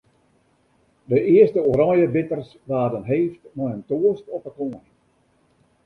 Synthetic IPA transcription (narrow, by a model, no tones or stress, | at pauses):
dəʔiəstəoɾɔjəbɪtərs | ʋaːdənɦeːftmɔjəntoəstɔpəkoən